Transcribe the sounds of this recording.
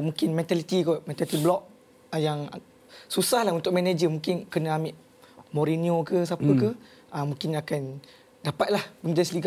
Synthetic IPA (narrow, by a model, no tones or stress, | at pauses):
mũŋkɪnmɛ̃nt̪alit̪iɡɔmɛ̃nt̪alit̪iblɔk̚ | jaŋ | susahlahunt̪ʊk̚mɛnad͡ʒəmũŋkɪnkənəamiʔ | moɾiniokəs̬apəkə | əmũkɪnakan | dapat̪̚lahbəŋdɛsliɡa